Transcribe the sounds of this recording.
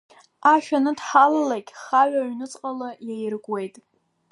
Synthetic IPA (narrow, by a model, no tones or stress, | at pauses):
aʃᶣanɨdħalalakʲʼχaʕʷaɥnɨt͡sʼqʼalajajɪrɡʷʼwe̞jtʼ